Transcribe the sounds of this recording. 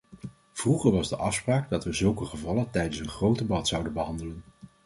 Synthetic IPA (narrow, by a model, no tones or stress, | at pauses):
v̥ruχəɹʋɑzdəʔɑfspraːɡdɑtʋəzɵlˠkəχəvɑlətɛjdənsənχrowdəbɑtsʌwdənbəɦɑndələn